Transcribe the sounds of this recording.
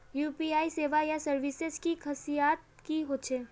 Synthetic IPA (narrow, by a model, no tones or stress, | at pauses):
juːpiaːiseːʋajasɐɾʋɪsezkikʰɐsijaːt̪̚ | kiɦoːt͡ʃʰeː